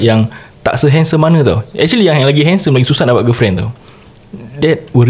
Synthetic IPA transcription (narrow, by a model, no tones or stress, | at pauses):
jaŋt̪a̰ʔsəɦɛnsəmːanə̃t̪a̰wɛ̰k̚t͡ʃulijãŋlaɡiɦɛnsəmlaɡisusat̪̚dabaʔɡəfɾɛnt̪aw | dɛt̚wə